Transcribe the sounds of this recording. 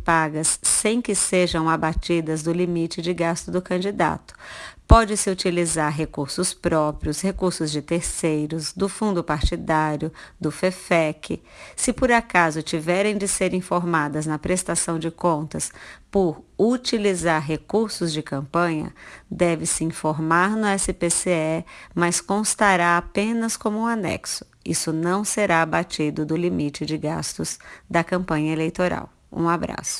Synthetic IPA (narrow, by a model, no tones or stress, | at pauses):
paɡɐsːẽj̃kɪseʒɐ̃w̃abat͡ʃid̪ɐzd̪ʊlimit͡ʃɪd͡ʒɪɡast̪ʊd̪ʊkɐ̃nd͡ʒid̪a̰t̪ʊ̥pɔd͡ʒɪsɪut͡ʃilizaɾɦekuɾsʊspɾɔpɾjʊshekuɾsʊzd͡ʒɪt̪eɾsejɾʊsd̪ʊfũnd̪ʊpaɾt͡ʃid̪aɾjʊd̪ʊfefɛkʰɪ̰ | sɪpoɾakazʊt͡ʃivɛɾẽj̃d͡ʒɪseɾĩfoɾmad̪ɐznɐpɾest̪asɐ̃w̃d͡ʒɪkõnt̪ɐspoɾut͡ʃilizaɾɦekuɾsʊzd͡ʒɪkɐ̃mpɐ̃ɲɐ̰d̪ɛvɪsɪĩfoɾmaɾnʊɛsɪpeseɛmɐskõst̪aɾaapẽnɐskõmʊũanɛ̰ksʊ̥ḭsʊnɐ̃w̃seɾabat͡ʃid̪ʊd̪ʊlimit͡ʃɪd͡ʒɪɡa̰st̪ʊzd̪ɐkɐ̃mpɐ̃ɲɐelejt̪oɾa̰w | ṵ̃abɾa̰sʊ̥